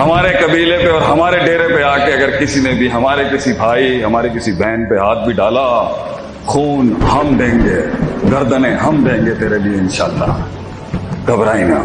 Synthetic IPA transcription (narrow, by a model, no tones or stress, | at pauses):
ɦɐmaːɾekɐbiːlepeɔːɾɦɐmaːɾeɖeːɾepeaːkeɐɡəɾkɪsinebʱiɦɐmaːɾekɪsibʱaːiɦɐmaːɾekɪsibʱɛ̃ːnpeɦaːt̪̚bʱiɖaːla | xʰuːnɦɐmd̪ʱẽːŋɡeːɡɐɾd̪ənẽɦɐmd̪ʱẽːŋɡet̪eːɾebieɪnʃaːlːa̰ː | ɡʱɐbɾaːĩna̰ː